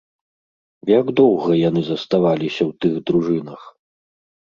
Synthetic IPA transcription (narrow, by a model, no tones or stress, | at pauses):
jaɡd̪ɔwɣɐjanɨzɐst̪avalʲisʲɐwt̪ɨɣd̪ɾuʐɨnɐx